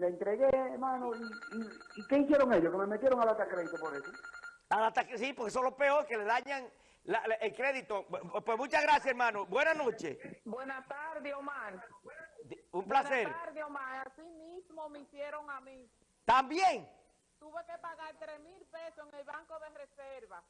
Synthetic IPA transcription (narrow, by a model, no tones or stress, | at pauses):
leent̪ɾeɣeːɾmãnoiːike̞iθjeɾoŋeʝokememet̪jeɾoŋalat̪akɾeðit̪opoɾeso | alat̪aksipoɾkes̬onlo̞hpeoɾkeleðaɲaŋ | laʔelkɾeðit̪oepwesmut͡ʃaɣɾasjaseɾmãnobwe̞nanot͡ʃe̞̰bwenast̪aɾðeomãn | umplaseɾaɾðeomãnasimismomeisjeɾoŋami | t̪ambjeŋ | t̪uβekepaɣaɾt̪ɾesmilpesoeŋelβaŋkoðereseɾβa